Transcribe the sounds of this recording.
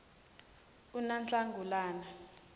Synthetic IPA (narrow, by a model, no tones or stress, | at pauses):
unant͡ɬʼaŋɡʱulaːna